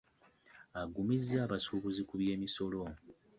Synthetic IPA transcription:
aɡumizːaːβasuβuzikuβje̞ːmiso̞lo̞

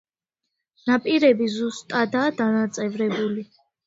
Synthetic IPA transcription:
napʼiɾɛbizust̪ʼad̪aːd̪anat̪sʼɛvɾɛbuli

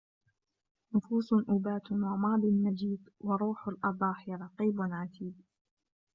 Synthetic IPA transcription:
nʊfuːsˤʔʊbaːt̪wɑmɑːd̪ˤɪnːad͡ʒiːt̪wɑɾˤuːħʊlʔɑd̪ˤɑːħɪɾˤɑqiːbʊnʕat̪iːb̚

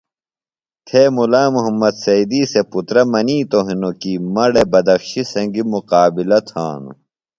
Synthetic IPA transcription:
t̪ʰeːmulaːmuɦɐmːɐd̪sɐid̪iːseput̪ɾɐmɐniːt̪oɦinokimɐɽebɐd̪ɐfɕisɐ̃ŋɡimuqaːbilɐt̪ʰa̰ːnṵ

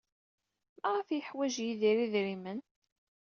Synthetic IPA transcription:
mæʁafjəħwæʒjiðiɾiðɾimən

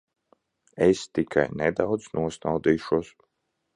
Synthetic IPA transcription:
ɛst̪ikʰa̰jnɛd̪awd̪znuɔsnawd̪iːʃuɔs

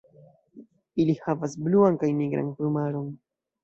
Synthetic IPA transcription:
ilihavasbluaŋkajniɡɾa̰ŋplumaɾon

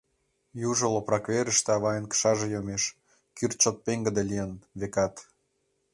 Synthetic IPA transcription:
juʒŏloprɑkβeɾəʃt̪ĕɑβɑjənkə̥ʃɑʒĕjomeʃ | kyrt͡ɕot̪̚peŋɡə̆d̪elijənβekɑt̪

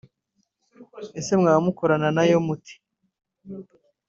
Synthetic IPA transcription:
ese̞mŋaːmuko̞ɾananajo̞muti̥

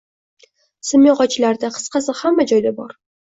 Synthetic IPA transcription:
sɨmjoʁɒt͡ʃʰɪlaɾd̪aqʰɨ̥sqɑsɨhamːad͡ʒɒjlabɒɾ

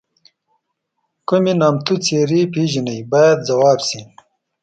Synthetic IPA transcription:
kuminaːmt̪ut͡seːɾipiːʒinɐjbaːjad̪̚zɐwaːbsi

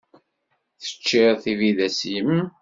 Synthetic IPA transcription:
θə̥t͡ʃːɪðθiviðæsjəm

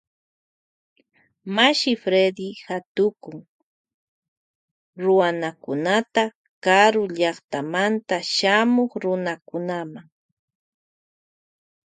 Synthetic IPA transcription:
maʃɪfɾed̪ɪhat̪ʊkʊŋ | ɾʊwanakʊnat̪a | kaɾʊʎɑχt̪amant̪aʃamoχɾʊnakʊnamaŋ

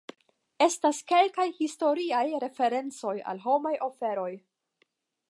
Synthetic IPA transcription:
e̞staske̞lkajhisto̞ɾiajɾe̞fe̞ɾe̞nt͡so̞ja̰lɦo̞majʔo̞fe̞ɾo̞j

